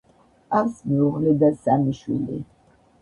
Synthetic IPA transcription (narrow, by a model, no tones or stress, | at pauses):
asmiuʁlɛd̪asamiʃwḭlḭ